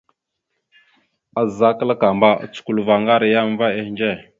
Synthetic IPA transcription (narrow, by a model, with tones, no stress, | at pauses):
a˨zza˦kə˦la˦ka˨mba˦a̰˨t͡su̥˨ku˨lva˨ŋɡa˦ɾa˨ja˦m˦va˦e˦hnd͡ʒe˦˨